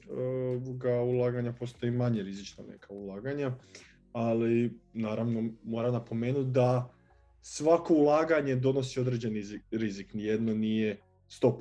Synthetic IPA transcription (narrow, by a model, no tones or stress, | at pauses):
ooʋoɡaulˠaːɡaɲapo̞st̪o̞imaɲeɾizit͡ʃna̰nḛkʰaulˠaːɡaɲa | alinaːɾaʋno̞mo̞ːɾamnapo̞me̞ːnut̪̚d̪a | sʋako̞ulˠaːɡaɲe̞d̪o̞no̞sio̞d̪ɾe̞d͡ʑe̞niziɾiziknije̞d̪no̞nije̞ | st̪o̞p